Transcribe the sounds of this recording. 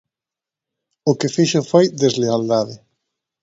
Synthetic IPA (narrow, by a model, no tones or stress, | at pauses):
ʊkɪfiʃʊfojd̪ezleald̪aðɪ